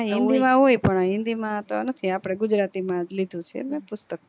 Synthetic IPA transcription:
ɦɪ̃nd̪imãɦojpəɳaɦɪ̃nd̪imãt̪onət̪ʰiapɽ̃eɡud͡ʒɾat̪imãd͡ʒlid̪ʱũt͡ʃʰḛmẽpʊst̪ək̚

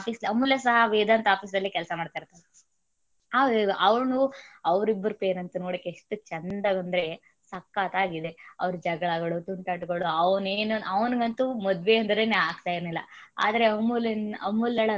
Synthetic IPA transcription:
piːsɐmːulːesɐɦɐʋeːd̪aːnt̪aːpiːs̬d̪ɐlːikɛlɐsɐmaːɖt̪aːiɾt̪ːad̪e | aːeʔɐʋɾnuɐʋɾibːɐɾupeːɾɐnt̪ɐnoːɽɐkːeʂʈut͡ʃɐnd̪ɐɡɐnd̪ɐɾe̞ | sɐkːaːt̪aːɡid̪e̞ɐ̰ʋɾud͡ʒɐɡɐɭɐɡɐɭut̪uɳʈaːʈɡɐɭuɐʋneːnuɐʋnɡɐnt̪umɐd̪ʋeɐnd̪ɐɾeneaːɡ̚t̪aːjiɾnilːɐ̰a̰ːd̪ɐɾe̞ɐmːuleɐmːulːɐɭɐ

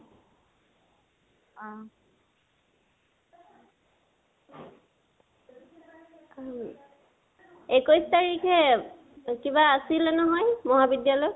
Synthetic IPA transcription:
ekojstaɹikʰɛ | kiβaːsilɛnɔɦɔjmɔɦabidjalɔj

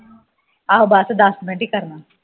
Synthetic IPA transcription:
aobaːsed̪aːst̪̚bʱẽɳʈikəɾna

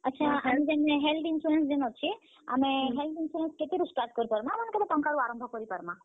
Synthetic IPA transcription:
ətːʃʰaamĩd͡ʒemneɦelʈɪnfuɾens̬d͡ʒenot͡ʃʰie | a̰mẽɦelʈ̪ɪnfuɾensket̪iɾusʈaɾʈ̚kəɾupəɾmãmənekeb̪eʈə̃ŋkaɽũaɾə̃mbʱəkəɾipəɾmã

